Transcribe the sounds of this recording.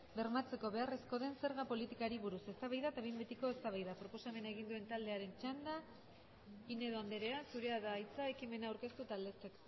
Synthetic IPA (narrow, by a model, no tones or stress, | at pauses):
be̞ɾmat͡se̞ko̞βe̞are̞sko̞ðe̞nse̞ɾɣapo̞lit̪ikaɾiβuɾuse̞st̪aβajðat̪aβejmbet̪iko̞e̞st̪aβajðapɾo̞po̞same̞naeɣ̞ind̪ue̞nt̪ald̪e̞aɾe̞nt͡ʃand̪a | ine̞ðo̞and̪eɾe̞asuɾe̞aðajt͡sae̞kime̞naːwɾke̞st̪ut̪ald̪e̞sek